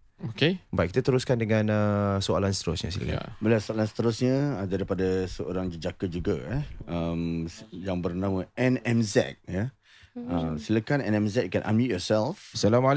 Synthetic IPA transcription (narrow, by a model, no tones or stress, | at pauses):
okebajʔkit̪at̪əɾuskandəŋãnəsoalansə̥t̪əɾʊsɲə̰silə̰ka̰bəlasoalansə̥t̪əɾʊsɲə̃ədaɾipadasəo̰ɾaŋd͡ʒəd͡ʒakəd͡ʒuɡaɛəmjaŋbərnãmə̃ɛnɛmzɛ̰k̚jə | əmsiləkanɛnɛmzɛk̚kɛnʔa̰mijɔsɛlfsalamal